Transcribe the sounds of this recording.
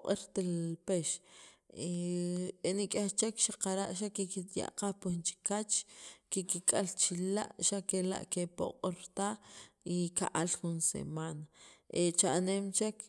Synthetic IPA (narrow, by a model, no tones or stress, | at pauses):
qʼiɾt̪elpeʃ | e | enikʼext͡ʃekʃaqaɾaʔʃ̬akekit̪ja̰ʔqahpunt͡ʃi̥kat͡ʃkekikʼalt͡ʃila̰ʔʃakela̰ʔkepo̰qʼiɾt̪aikaʔalxunsḛmanaʔet͡ʃaʔnemt͡ʃek